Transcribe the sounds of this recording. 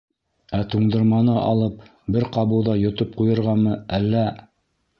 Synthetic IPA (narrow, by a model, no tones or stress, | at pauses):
æt̪uɴd̪ɤ̆ɾmɑnɤʔɑ̰lˠɤp̚ | bɘɾqɑβɤwðɑjŏt̪ɤp̚qujɤ̆ɾʁɑnmɤælːæ